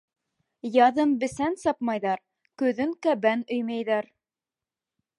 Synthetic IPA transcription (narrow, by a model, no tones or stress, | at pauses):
jɑðɤmbɘ̆sænsɑp̚mɑjðɑɾ | kɵ̆ðɵŋkæbænɵ̆jmæjðæɾ